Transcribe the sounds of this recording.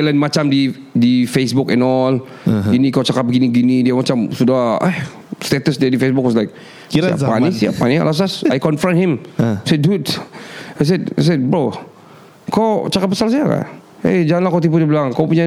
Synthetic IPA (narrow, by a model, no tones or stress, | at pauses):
lanmat͡ʃamdi | difesbukɛ̃nɔl | ɡinikawt͡ʃakap̚bəɡiniɡinidiamat͡ʃamsudaha̰ | st̪ɛt̪əsdiadifesbʊk̚wɔs̬lajk̚ | kisaia̰panisia̰pania̰las̬asajkɔnfɾə̃nhimsɛdut | ajs̬ɛd̚ajs̬ɛd̚bɹo | kowt͡ʃakat̚pːasals̬ajaka̰ | ed͡ʒaanlakowt̪ipudibəlaŋkawpuɲa